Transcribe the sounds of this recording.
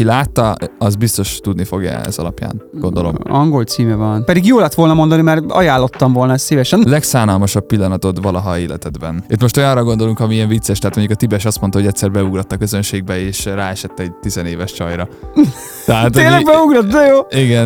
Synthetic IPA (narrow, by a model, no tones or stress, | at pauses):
ilaːt̪ːɒɒzbist̪o̞ʃt̪ud̪nifo̞ɡjɛ̰ɛ̰zɒlɒ̰pja̰ːnɡo̞nd̪o̞lomɒŋɡo̞lt̪siːmɛvɒnpɛd̪iɡjoːlɛt̪ʋo̞lnɒmo̞nd̪ɒnimɛrɒ̰jaːlːo̞t̪ːɒɱvo̞lnɒɛst̪sivɛʃɛnlɛksaːnɒlmɒʃɒpːilːɒnɒt̪o̞t̪vɒlɒɦɒeːlɛt̪ɛd̪bɛnøt̪mo̞ʃt̪ojɒrɒɡo̞nd̪o̞luŋkɒmiiɛɱvit̪sːɛʃt̪ɛɦat̪o̞ɲɟukɒt̪ibɛʃɒst̪mont̪ɒɦo̞ɟɛct̪ʲsɛrbɛuɡrɒt̪ːɒkø̞zø̞nʃeːɡ̚bɛeːʃraːɛʃɛt̪ːɛɟ̚t̪izɛneːvɛʃt͡ʃɒjɾɒ | t̪ɛɦaːt̪eːlːɛɡbɛuɡɾɒt̪d̪ɛjoːiɡɛn